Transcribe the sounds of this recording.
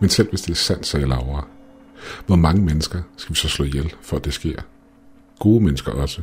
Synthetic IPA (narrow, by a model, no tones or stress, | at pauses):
mensel̰ʋe̝sd̥e̝æɐsæn̰d̥sɑilɑ̈ʊɐː | ʋɒmɑ̈ŋəmenəsɡ̥ɐsɡ̥æʋisɒ̽slɔ̰̽ːjelfɒ̽æd̥e̝sɡ̥je̝̰ɐ̰ | ɡ̥o̝ːðəmenəsɡ̥ɐʔɒ̽sə